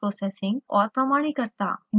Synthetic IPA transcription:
ɾosesĩŋɡɔ̰ɾpɾəmaɽ̃ikəɾt̪a̰n

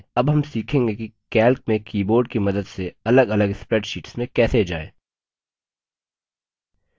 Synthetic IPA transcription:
ɐbɦɐmsiːkʰẽːŋɡekikɛːlk̚mẽkiːboːɾɖkimɐd̪əd̪seɐləɡɐləɡspɾɛːʈʃiːʈsmẽkɛːsed͡ʒa̰ːḛː

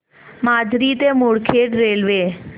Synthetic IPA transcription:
maːd͡ʒɾit̪emoːɽkʰeːʈɾeːlʋeː

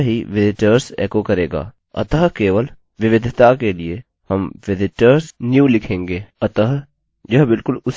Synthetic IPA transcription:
ɦiʋɪzɪʈəɾsḛːkokɐɾeːɡa̰ː | ɐ̰t̪əɦkeːʋəl | ʋɪʋɪd̪ʱt̪akelie | hɐmʋɪzɪʈəɾsnjuːlɪkʰẽːŋɡeːɐt̪əɦ | jɐɦbɪlkʊlʊs

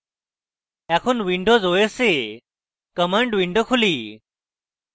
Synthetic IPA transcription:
akʰuːnʋiɳɖod͡zojese | kəməɳɖʋiɳɖokʰuliː

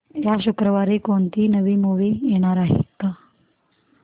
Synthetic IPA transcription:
jaɕukɾəʋaɾekoɳt̪iːnəʋiːmuʋiːjeɽ̃aɾaɦḛt̪ːa

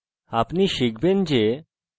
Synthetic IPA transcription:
apniʃikʰbend͡ʑe

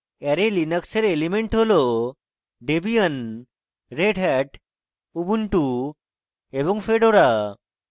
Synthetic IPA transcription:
eɾelinəkseɾelimeɳʈɦolo | ɖebijən | ɾeɖɦɛʈ | ubuɳʈu | ebɔŋɡfeɖoɾa

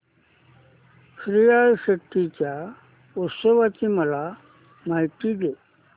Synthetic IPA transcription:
ɕɾijajɕəkʈ̪it͡ɕja | usəʋat͡ɕiməla | maiʈ̪iɡe

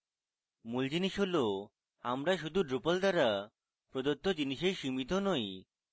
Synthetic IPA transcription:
muld͡ʑiniʃɦolo | amɾaʃud̪ʱuɖɾupald̪aɾa | pɾod̪ot̪ːod͡ʑiniʃeɾʃimit̪onoj

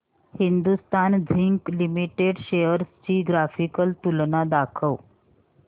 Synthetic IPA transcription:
hind̪ust̪and͡zʱiŋklimiʈeɽɕejəɾst͡ɕiːɡɾafikəlt̪ulɳnad̪akʰəw

